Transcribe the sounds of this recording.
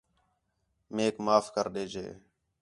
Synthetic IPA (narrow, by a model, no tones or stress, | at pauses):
meːkmaːfkəɾɗeːd͡ʒʱḛː